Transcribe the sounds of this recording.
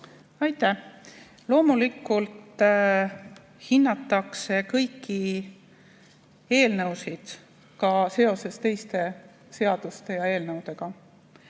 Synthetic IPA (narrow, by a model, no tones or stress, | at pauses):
ɑjt̪ːˑæh | lo̞ːmulikːˑult̪ˑ | hinːɑt̪ˑːɑkse̞kɤjkːi | e̞ːlnɤwsid̪̥ | kɑse̞o̞se̞st̪e̞jst̪e̞ | se̞ɑd̪̥ust̪e̞jɑe̞ːlnɤwd̪̥e̞ɡ̥ɑ